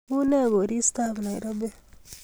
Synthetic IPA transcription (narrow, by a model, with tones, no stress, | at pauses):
u˦ne˦˨ɡo˨ɾi˦sta˦bna˨i˨ɾo˦be˦